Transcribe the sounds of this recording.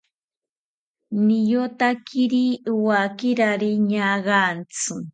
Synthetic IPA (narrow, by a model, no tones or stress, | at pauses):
nijot̪akʰiɾiwakiɾaɾiɲaɢant͡sʰɨ